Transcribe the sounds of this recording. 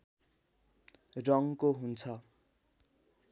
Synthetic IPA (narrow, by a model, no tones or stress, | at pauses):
rʌŋkoɦunt͡sʰʌ